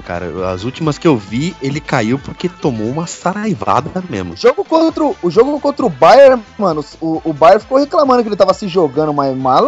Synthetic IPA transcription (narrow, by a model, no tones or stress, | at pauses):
ka̰ɾɐ̰ɐ̰zut͡ʃimɐskɪewvielɪkaiwpʊɾket̪omoũmɐsaɾajva̰d̪ɐmḛmʊʒoɡʊkõt̪ɾʊːʒoɡʊkõnt̪ɾʊʊbajeɾmɐ̃nʊsʊːbajeɾfi̥kowheklamɐ̃nd̪ʊkelɪt̪avɐsɪʒoɡɐ̃nd̪ʊmamalɐ